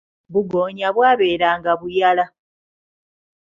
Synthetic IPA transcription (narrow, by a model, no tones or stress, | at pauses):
βuɡo̞ːɲaβwaːβe̞ːɾaːŋɡaβujala